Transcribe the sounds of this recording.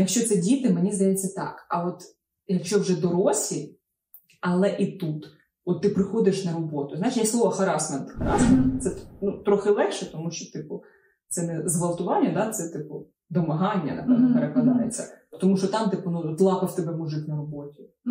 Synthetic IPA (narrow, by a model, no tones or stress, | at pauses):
jɐkʃt͡ʃɔt̪sɛdʲit̪ɪmenʲizd̪ɐjɛt͡sʲːɐt̪ɑ̰kɐɔt̪ | jɐkʃt͡ʃɔwʒɛd̪ɔɾosʲi | ɐlˠɛʔit̪ut̪ | ɔt̪ːɪpɾɪxɔd̪ɪʃnɐɾɔbɔt̪ʊzɑeʃjɛsˠɔʋɐxɐɾɑsmɐnt̪xɐɾɑ̰smnt̪t̪sɛnut̪ɾɔxɪlˠɛxʃɛt̪ɔmuʃt͡ʃɔ̥t̪ɪpʊ | t̪sɛnɛzʋɐlˠt̪ʊʋɑnʲːɐd̪ɑt̪sɛt̪ɪpʊ | d̪ɔmɐɦɑnʲːɐ̰nɐpɛvnɐpeɾeklˠɐd̪ɑjet͡sʲːɐt̪ɔmuʃt͡ʃɔt̪ɑmt̪ɪpʊnut̪lˠɑpɐwt̪ɛbɛmʊʒɪk̪nɐɾɔbotʲi